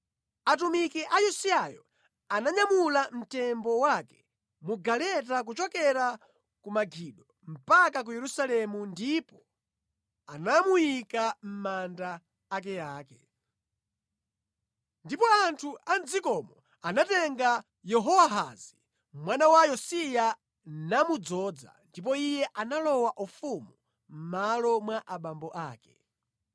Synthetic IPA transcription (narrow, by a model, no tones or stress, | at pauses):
atumikɛʔajusiajɔ̰ | anaɲamulam̩tɛmbɔwakɛ̥ | muɡalɛt̬ak̬ut͡ʃɔkɛɾa | kumaɡʱiɗɔ | m̩pakak̬ujɛɾusalɛmundipɔ | anamujikam̩mandaː | k̬ɛjaːkɛ | ndipɔantʰuand͡zikɔmɔ | anatɛŋɡa | jɛɦɔwaɦazi | mwanawajɔsija | namud͡zɔːd͡za̰ndip̬ɔijɛʔanalɔwaʔufumu | m̩malɔmwaʔaɓambɔʔaːkɛ̥